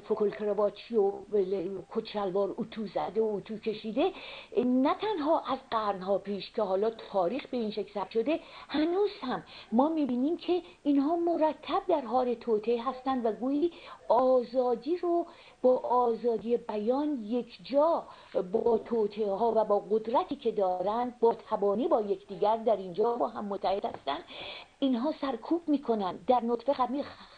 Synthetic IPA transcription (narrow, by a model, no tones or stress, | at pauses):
fokʰolkʰɾevɒːt͡ʃʰiolekʰot͡ʃ̪ʃælvɒːɾut̪ʰuːzæd̪eout̪ʰuːcʰe̞ʃiːd̪e̞næt̪ʰænɦɒːʔæzɢæɾnhɒːpʰiːʃcʰe̞hɒːlɒːt̪ʰɒːɾiːxbe̞iːnʃekʰsæbʃo̞d̪e̞hænuːz̥hæmːɒːmiːbiːniːmcʰe̞iːnhɒːmo̞ɾæt̪ʰːæb̚d̪æɾɦɒːle̞t̪ʰoːt̪ʰeɦæst̪ænd̪væɡuːjiːɒːzɒːd̪iːɾo | b̥ɒːʔːzɒːd̪ije̞bæjɒːnjekʰd͡ʒɒː | bɒːt̪ʰot̪ʰehɒːvæbɒːɡod̪ɾæt̪ʰiːcʰe̞d̪ɒːɾænd̪̚bɒːt̪ʰæbɒːniːbɒːje̞cʰd̪iːɟæɾd̪æɾind͡ʒɒːbɒːɦæmːot̪ʰːæhed̪hæst̪ænd̪̥iːnɦɒːsæɾkʰuːb̥miːkʰo̞nænd̪ːæɾnot̪fe̞xæmiː